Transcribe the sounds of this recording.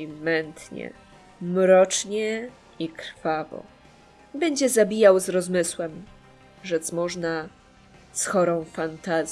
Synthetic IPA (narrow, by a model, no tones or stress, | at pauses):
mɛnt̪ɲɛ̰ | mɾɔt͡ʂɲɛ | ikɾfavɔ̰ | bɛɲd͡ʑɛzabʲijawzɾɔzmɘswɛm | ʐɛt̪smɔʐna | sxɔɾɔ̃w̃fant̪azʲ